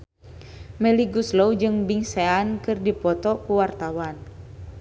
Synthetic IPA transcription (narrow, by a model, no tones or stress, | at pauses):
mɛliɡuslowd͡ʒɨŋbiŋseankɨrdipɔt̪ɔkuwart̪awan